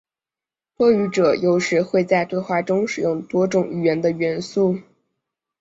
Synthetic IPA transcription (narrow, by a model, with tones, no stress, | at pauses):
t̪wɔ˥y˧˥ʈ͡ʂɤ˨˩˦jo˧˥ʊʂɻ̩˧˥xwe˥˧ɪt͡sa˥˧ɪt̪we˥˧ɪxwa˥˩ʈ͡ʂʊ˥ŋʂɻ̩˨˩jʊ˥˩ŋt̪wɔ˥ʈ͡ʂʊ˨˩ŋy˨˩ɥɛ˧˥nd̪ə˧ɥɛ˧˥nsu˥˩